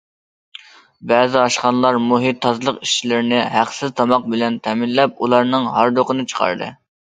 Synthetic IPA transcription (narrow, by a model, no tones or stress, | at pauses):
bɛːzɪɑʃχɑnlˠɑɾmuɦit̪ʰːɑzlˠəqi̥ʃt͡ʃʰilɪɾɪnɪɦæqsɪzt̪ʰɑmɑq̚bɪlɛnt̪ʰɛmɪnlɛp̚ulˠɑɾnɨŋɦɑɾd̪oqənɨt͡ʃʰə̥qʰɑ̰ɾd̪ɨ̰